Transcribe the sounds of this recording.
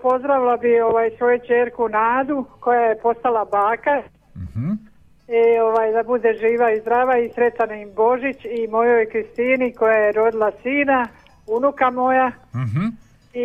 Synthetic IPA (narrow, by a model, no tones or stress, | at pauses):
po̞zd̪ɾaʋilˠabio̞ʋaːjsʋo̞jut͡ʃeːɾkunaːd̪uko̞jaje̞po̞st̪alˠabaːka | io̞ʋaːjd̪abud̪e̞ʒiːʋaizd̪ɾaːʋaisɾe̞t̪anaimbo̞ʒit͡ɕimo̞jo̞jkɾist̪iniko̞jajeɾo̞d̪ilˠasiːna | unukamo̞ja | i